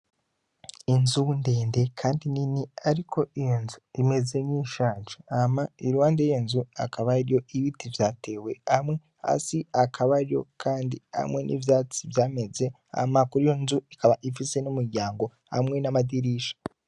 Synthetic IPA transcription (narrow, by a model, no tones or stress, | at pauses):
inzunde̞ːnde̞kʰaːndininiaɾikʰo̞zuime̞zeɲiʃaːnʒaamaiɾuwaːndejenzua̰kʰaβaɾijo̞iβitivjaːtʰe̞ːwe̞hamŋe̞ | a̰siakʰaβaɾijo̞̰kʰaːndiha̰mŋwe̞nʔḭvjaːt͡sivjaːme̞ze̞ | a̰makuɾijo̞nzuikaβaʔifise̞numuɾɟaːŋɡo̞ | ha̰mŋe̞namadiɾiːʃḁ